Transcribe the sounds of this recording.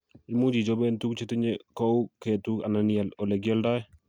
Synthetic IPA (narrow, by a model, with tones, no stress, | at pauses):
ɪ˦mu˦d͡ʒi˨d͡ʒɔ˦bɛ˦ntu˦k̚t͡ʃe˦ti˦ɲe˦kɔ˦u˦ke˨tu˦ka̰˨na˨nia˨lɔ˨lɛ˨ɡjɔ˦lda˦j